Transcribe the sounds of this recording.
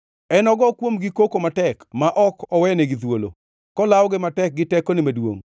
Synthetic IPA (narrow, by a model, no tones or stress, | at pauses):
ɛnɔɡɔkwomɡɪkokomatɛkmaʔɔkɔwɛneɡɪt̪wolo̰ | kɔlawɡɪmatɛk̚ɡɪtɛkonɪmadwo̰ŋ